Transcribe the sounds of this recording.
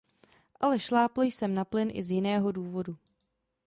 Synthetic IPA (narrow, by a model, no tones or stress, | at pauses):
ʔalɛʃlaːpljsɛmnaplɪnʔɪ̰zjɪnɛːɦo̞duːvo̞du